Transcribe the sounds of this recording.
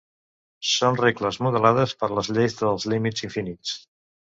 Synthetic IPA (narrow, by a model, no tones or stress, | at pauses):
sonrekləzmuðəlaðəspəɾləzʎejzðəlˠzlimid͡ziɱfinit͡s